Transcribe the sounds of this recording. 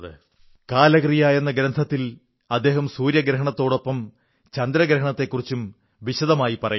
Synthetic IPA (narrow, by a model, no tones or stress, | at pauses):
ðɨ̰ | kaːlɐɣɐrijaːje̞nːɐɡɾɐnd̪ʰʱɐt̪ːil | ɐd̪ːe̞ːɦɐmsuːɾjɐɡɾɐɦɐɳɐt̪ːo̞ːɽo̞pːɐm | t͡ɕɐnd̪ɾɐɡɾɐɦɐɳɐt̪ːe̞kːurit͡ɕːum | ʋiɕɐðɐmaːjipɐrɐju